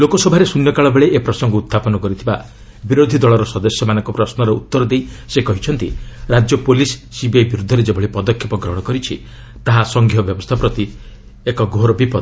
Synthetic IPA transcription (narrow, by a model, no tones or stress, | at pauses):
lokɔsɔbʱaɾesunjɔkaɭɔbeɭeʔepɾɔsɔŋɡɔut̪ʰːapɔnɔkɔɾit̪ʰiba | biɾod̪ʱid̪ɔɭɔɾɔsɔd̪ɔsjɔmanɔŋkɔpɾɔsnɔɾɔut̪ːɔɾɔd̪ejsekɔɦit͡ʃʰɔnt̪iɾad͡ʒjɔpolisːibebiɾud̪ʱːɔɾed͡ʒebʱɔɭipɔd̪ɔkʰːepɔɡɾɔɦɽ̃ɔkɔɾit͡ʃʰi | t̪aɦasɔŋɡʱjɔbjɔbɔst̪ʰapɾɔt̪i | ekɔɡʱoɾɔbipɔd̪ɔ